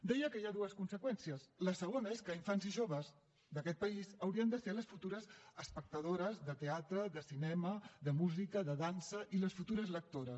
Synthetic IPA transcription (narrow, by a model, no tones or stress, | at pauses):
d̪ɛjəkəiaðuəskunsəkwɛnsiəsləsəɣ̞onəeskəiɱfanziʒoβ̞əz | d̪əkɛt̪̚pəizəwɾiənd̪əseləsfut̪uɾəzəspək̚t̪əðoɾəzðət̪eat̪ɾəðəsinɛməðəmuzikəðəðansəʔiləsfut̪uɾəzlək̚t̪oɾəs